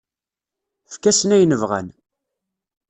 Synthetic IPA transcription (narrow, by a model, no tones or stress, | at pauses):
fkæsənæjnəvʁæ̰n